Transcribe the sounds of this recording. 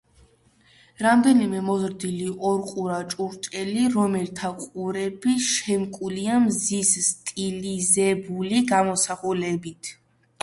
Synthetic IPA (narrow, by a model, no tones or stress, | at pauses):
ɾamd̪ɛnimɛmɔzɾd̪iliʔɔɾqʼuɾat͡ʃʼuɾt͡ʃʼɛliɾɔmɛlt̪ʰaqʼuɾɛbiʃɛmkʼuliamzisst̪ʼilizɛbuliɡamɔsaχulɛbit̪ʰ